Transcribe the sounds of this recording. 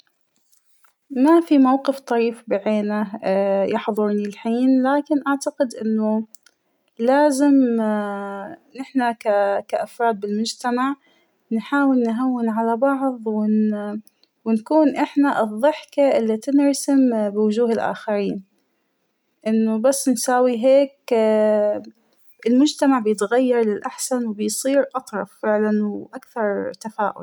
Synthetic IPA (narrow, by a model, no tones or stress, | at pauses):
mafimawqɨft̪ˤɑɾiːfbaʕeːnajɑħðˤʊɾnilħiːnlaːkɪnʔaʕt̪aqɪd̪ʔɪnːʊ | laːzɪm | nɪħnakakaʔafɾˤɑːd̪̚bɪlmʊd͡ʒt̪amaʕ | nħaːwɪlnɦawːɪnʕalabɑʕðˤwɪ | wɪnkuːnʔɪħnaʔɨðˤːɨħkaʔɪlːit̪ɪnɾɑsɪmbɪwʊʒuːhɪlʔa̰ːxaɾiːn | ʔɪnːʊbasːnsaːwiɦeːk | ʔɪlmʊd͡ʒt̪amaʕbɪjɪt̪ɣajːɑɾˤlɪlʔaħsanwɪbɪjsˤiːɾʔɑt̪ˤɾˤɑfːɪʕlanwʔakθɑɾˤt̪afaːʔʊ̰l